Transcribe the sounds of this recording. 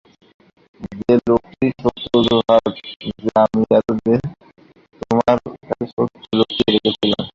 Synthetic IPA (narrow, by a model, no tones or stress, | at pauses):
d͡ʑelokiʃot̪ːoɾoɦad͡ʑeamiɛɾod̪e | t̪omaɾkaʃot̪ːolokiɾekʰet͡ɕʰilam